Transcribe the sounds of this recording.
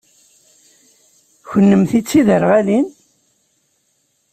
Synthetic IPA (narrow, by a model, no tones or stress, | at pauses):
çənːəmθit͡sːiðəɾʁælin